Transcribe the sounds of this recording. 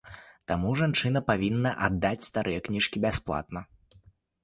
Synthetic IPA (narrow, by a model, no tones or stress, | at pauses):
t̪amuʐant͡ʂɨnɐpavʲinːɐʔad̪ːat͡sʲst̪aɾʔɨjɛknʲiʂkʲibʲasplˠa̰t̪nɐ